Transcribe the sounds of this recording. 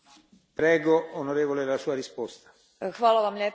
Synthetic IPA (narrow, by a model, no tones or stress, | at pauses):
pɾɛːɡoonoɾeːvolelasuːaɾispost̪ḁ | xʋaːlaʋamʎeː